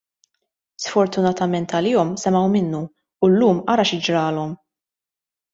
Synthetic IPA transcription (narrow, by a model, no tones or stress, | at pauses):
sfɔɾt̪ʊnɐt̪ɐmɛnt̪ɐlɪːɔmsɛmɐwmɪnːuː | lːuːmʔɐɾɐʃɪd͡ʒɾɐːlɔm